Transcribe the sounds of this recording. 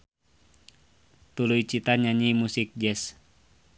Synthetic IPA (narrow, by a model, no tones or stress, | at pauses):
t̪ulujt͡ʃit̪aɲaɲimusik̚d͡ʒɛs